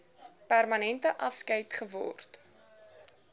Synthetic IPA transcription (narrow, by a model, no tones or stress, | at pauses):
pærmɐnɛntəʔɐfskəjtχəvɔ̰rt